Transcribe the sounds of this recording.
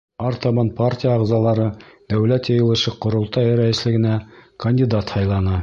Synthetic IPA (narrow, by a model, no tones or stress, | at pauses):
ɑɾt̪ɑβɑnparʲtʲijɑːʁzɑlˠɑɾɤd̪̥æwlæt̪jɑjɤ̆lˠɤ̆ʃɤqŏɾŏlˠt̪ɑjɾæjɘ̆slɘ̆ɡɘ̆nækɐnʲdʲid̪at̪hɑjlˠɑnɤ